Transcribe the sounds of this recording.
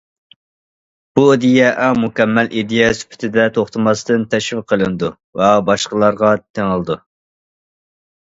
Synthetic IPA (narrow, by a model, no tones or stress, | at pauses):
b̥ud̪ijɛʔæmukʲɛmːɛlʔid̪ijɛsy̥pʰy̥t̪ʰɪd̪ɛt̪ʰoχt̪ʰɨmɑst̪ɨnt̪ʰɛʃwɪqʰəlˠɨnɨd̪u | vɛbɑʃqəlˠɑɾʁɑt̪ʰeŋəlˠɨd̪u